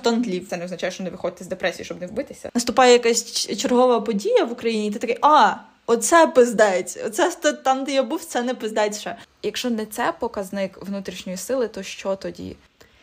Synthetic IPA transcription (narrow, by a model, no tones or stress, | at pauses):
t̪ɔnd̪lʲiwt̪sɛnɛɔznɐt͡ʃajʃt͡ʃɔnɛʋɪxɔd̪ʲɪt̪ːɛzd̪epɾɛsʲḭjiʃt͡ʃɔbnɛwbɪt̪ɪsʲɐ̰nɐst̪ʊpɑjɛjɐkasʲt͡ʃerɦɔʋɐpɔdʲijɐʋʊkɾɐjinʲit̪ɛt̪ɐkɛʔɑ | ɔt̪sɛpɪzd̪ɛjtʲɔ̰t̪sɛst̪ɔt̪ɑmt̪ɪjabuwt̪sɛnɛpɪzd̪ɛt̪ʲʃɛjɐkʃɔnɛt̪sɛpɔkɐznɪkʋnut̪ɾʲiʃnʲɔjisɪlˠɪt̪ɔʃt͡ʃɔt̪ɔdʲḭ